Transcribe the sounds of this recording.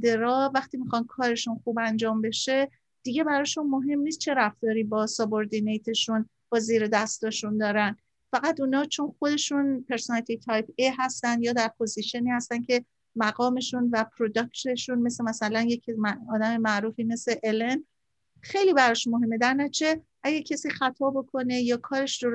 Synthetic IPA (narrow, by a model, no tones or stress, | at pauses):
d̪e̞ɾɒːvæxt̪iːmixɒn̚kʰɒːɾe̞ʃunxuːbænd͡ʒɒːmbe̞ʃe̞ | d̪̥iɟe̞bæɾɒːʃunmoɦe̞mniːst̪t͡ʃʰe̞ɾæft̪ɒːɾiːbɒːsɒboɾd̪inejt̪ʰe̞ʃun | b̥ɒːziːɾed̪æst̪ɒːʃund̪ɒːɾæn | fæɣæt̪uːnɒːt͡ʃʰo̞nxod̪e̞ʃunpʰe̞ɾsonæt̪ʰit̪ʰɒjpeɦæst̪ænd̪jɒːd̪æɾpʰo̞ziʃeniːhæst̪æncʰe̞ | mæɡɒːme̞ʃunvæpʰɾod̪ɒkt̪e̞ʃunme̞semæsælænje̞cʰmɒːd̪æme̞mæʔɾuːfiːme̞seʔelen | xe̞jliːbæɾɒːʃunmoɦe̞mːe̞d̪æɾnæt͡ʃʰe̞ | ʔæɟæɾcʰesiːxæt̪ʰɒːbo̞kʰo̞ne̞jɒːkʰɒːɾe̞ʃd̪oɾ